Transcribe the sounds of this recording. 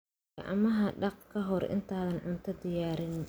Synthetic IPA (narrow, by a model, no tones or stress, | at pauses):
ɐʔɐ̰mɐɦɐɖɑqkʰɐɦɔrʔɪ̰nt̪ʰaːðɐnʕʊnt̪ʰɐd̪ɪjaːɾɪn